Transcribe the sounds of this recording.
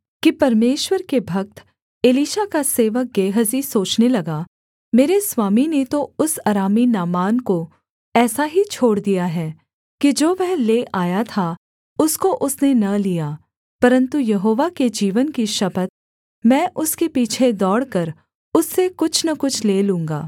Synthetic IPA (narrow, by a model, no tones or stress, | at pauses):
kipɐɾmeːʃwəɾkebʱɐk̚t̪ | eːliːʃakaseːʋək̚ɡeːɦəzisoːt͡ʃnelɐɡaː | meːɾeswaːminet̪oʊsaːɾaːminaːmaːnko | ɛːsaɦit͡ʃʰoːɽd̪ijaɦɛː | kid͡ʒoːʋɛɦleʔʔaːjat̪ʰa | ʊskoʔʊsnenɐlijaː | pɐɾə̃nt̪ujɐɦoːʋaked͡ʒiːʋənkiʃɐpət̪̚ | mɛ̃ːʔʊskepiːt͡ʃʰed̪ɔːɽkɐɾ | ʊsːekʊt͡ʃʰnɐkʊt͡ʃʰleːlũːŋɡaː